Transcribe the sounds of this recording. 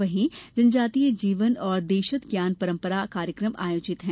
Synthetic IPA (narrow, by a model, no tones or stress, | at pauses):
ʋɐɦĩd͡ʒɐnd͡ʒaːt̪iːed͡ʒiːʋənɔːɾd̪eːʃət̪ɡjaːnpɐɾə̃mpəɾakaːɾjəkɾəmʔa̰ːjoːd͡ʒɪt̪ɦɛ̃